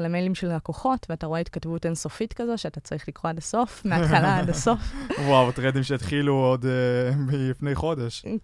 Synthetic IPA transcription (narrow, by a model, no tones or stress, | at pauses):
lemejlimʃelʁakoχo̞tveataʁo̞eit̪̚katvutenso̞fitkazo̞tʃeatat͡saʁiχlikʁoadaso̞fmeaalaadaso̞fwawt̪ʁedimʃeit̪χiluod̪milifne̞jχo̞deʃ